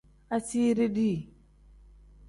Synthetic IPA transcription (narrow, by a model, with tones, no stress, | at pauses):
a˦si˦ɾe˦di˦˨